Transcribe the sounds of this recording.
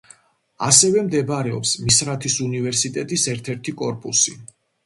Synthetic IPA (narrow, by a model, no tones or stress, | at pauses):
a̰sɛvɛmd̪ɛbaɾɛɔ̰psmisɾat̪ʰisunivɛɾsit̪ʼɛt̪ʼisɛɾt̪ʰɛɾt̪ʰikʼɔɾpʼusi